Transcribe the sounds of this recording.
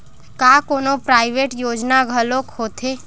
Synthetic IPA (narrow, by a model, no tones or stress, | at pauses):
kaːkoːnopɾaːɪʋeʈjoːd͡ʒnaɡʱəloːkhoːt̪ʰe